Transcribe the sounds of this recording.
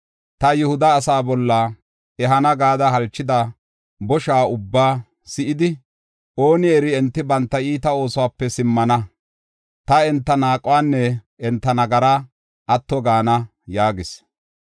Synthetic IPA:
t̪ɐjʊhʊd̪ɐːsaːbɔlːɐ | ɛɦɐnɐɡaːd̪ɐɦɐlt͡ʃːɪd̪ɐ | bɔʃaːʊbːaː | sɪʔɪd̪ɪ | ʔo̞ːnɪɛɾɪɛnt̪ːɪbɐnt̪ːɐiːt̪ɐo̞ːsʊwaːpːɛsɪmːɐnɐ | t̪ɐɛnt̪ːɐnaːkʼʊwaːnːɛ | ɛnt̪ːɐnɐɡɐɾɐ | ʔɐt̪ːɔɡaːnɐ | jaːɡɪs

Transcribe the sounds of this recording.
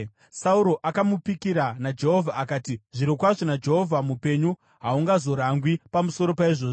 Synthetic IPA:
sauɾo̞ʔakamupikiɾanad͡ʒe̞ɦovʱaːkaːtiʐiɾokwaʐonad͡ʒe̞ɦovʱamupe̞ɲu | ɦauŋɡazo̞ɾaŋɡwipamuso̞ɾo̞paiʐoːʐ

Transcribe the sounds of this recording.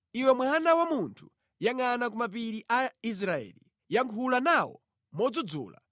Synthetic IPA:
iwɛmwanawamuntʰu̥ | jaŋanak̬umap̬iɾiʔais̬ɾaɛ̰ːli | jaŋkʰulanawɔ̰ | mɔd͡zud͡zṵːla̰

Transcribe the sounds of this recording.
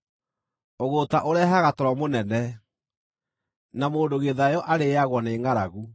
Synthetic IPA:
oɣotaʔoɾɛɦaɣatɔɾɔmonɛnɛ | namoːndoɣeðajɔʔaɾeaɣwɔneːŋaɾa̰ɣu

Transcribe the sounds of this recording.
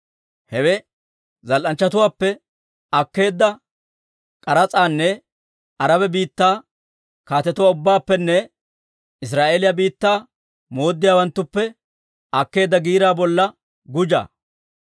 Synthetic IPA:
hɛwɛ | zɐlʔɐnt͡ʃːɐt̪ʊwaːpːɛ | ɐkːe̞ːd̪ːɐ | kʼɐɾɐt͡sʼaːnːɛ | ɐɾɐbɛbiːt̪ːaː | kaːt̪ɛt̪ʊwaːʊbːaːpːɛnːɛ | ɪs̬ɾaːʔeːlɪjabiːt̪ːaː | mo̞ːd̪ːɪjaːwɐnt̪ːʊpːɛ | ɐkːe̞ːd̪ːɐɡiːɾaːbɔlːɐ | ɡʊd͡ʒa̰ː

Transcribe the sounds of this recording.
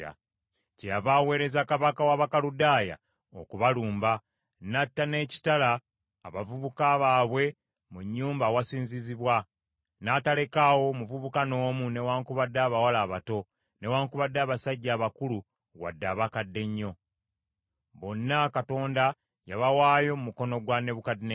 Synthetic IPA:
a̰ | cejavaːwe̞ːɾe̞zakaβakawaβakaludaːja̰ | okuβaluːmba | natːane̞ːci̥talaː | βavuβukaβaːβwe̞ | muɲːuːmbawasiːnziziβwa | naːtale̞kawo̞muvuβukano̞ːmune̞waːŋkuβadːaːβawalaːβato̞ | ne̞waːŋkuβadːaːβasaɟːaːβakulu | wa̰dːaːβakadːe̞ɲːo̞ | βo̞nːakato̞ːnda | jaβawaːjo̞mumuko̞no̞ɡwane̞βukadine

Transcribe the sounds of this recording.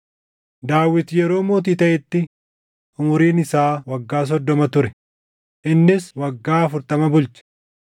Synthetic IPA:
d̪aːwːɪt̪jɛɾo̞ːmoːt̪̬iːt̪ɐʔɪt̪ːɪ | ʊmʊɾiːnɪsaːwɐɡːaːs̬ɔd̪ːɔmɐt̪ʊɾɛ | ʔɪnːɪswɐɡːaːɐfʊɾt̪ɐmɐbʊlt͡ʃɐ̥

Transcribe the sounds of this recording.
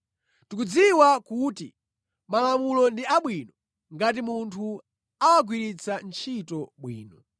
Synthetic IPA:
tukud͡ziwakutḭ | malamulɔndiaɓwinɔ | ŋɡat̬imuntʰu | awaɡwiɾit͡sʰant͡ʃʰitɔɓwḭːnɔ

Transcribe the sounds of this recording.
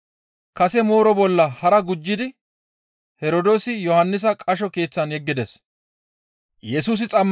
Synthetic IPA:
kɐsɛmoːɾɔbɔlːɐhɐɾɐɡʊd͡ʒːɪd̪ɪ | hɛɾod̪o̞ːsɪjɔhɐnːɪs̬ɐkʼɐʃɔke̞ːt͡sːɐnjɛɡːɪd̪ɛs | jɛsuːs̬ɪt͡sʼɐmː

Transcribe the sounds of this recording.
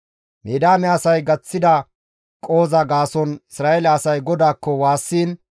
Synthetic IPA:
meːd̪aːmɛɐsɐjɡɐt͡sːɪd̪ɐ | kʼo̞ːzɐɡaːsɔnɪsɾaːʔelɛɐsɐjɡɔd̪aːkːɔwaːsːiːn

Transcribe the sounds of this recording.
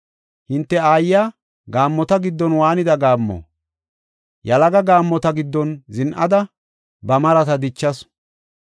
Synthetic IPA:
hɪnt̪ːɛaːjːaː | ɡaːmːɔt̪ɐɡɪd̪ːɔnwaːnɪd̪ɐɡaːmːɔ̰ː | jɐlɐɡɐɡaːmːɔt̪ɐɡɪd̪ːɔnzɪnʔɐd̪ɐ | bɐmɐɾɐt̪ɐd̪ɪt͡ʃːɐs

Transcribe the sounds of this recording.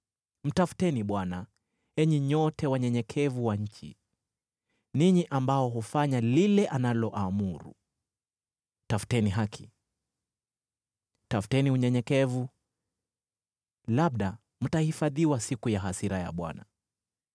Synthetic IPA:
m̩tafu̥tɛniɓwana | ɛɲɛɲɔtɛwaɲɛɲɛkʰɛvuwaɲ̩t͡ʃḭ | niɲiʔambaɔɦɔfaɲalilɛʔanalɔʔamuɾṵ | tafu̥tɛniɦakʰi̥ | tafu̥tɛniuɲɛɲɛkɛvu | laɓɗa | m̩tahifaðiwasikujaɦasiɾaja̰ɓwa̰na

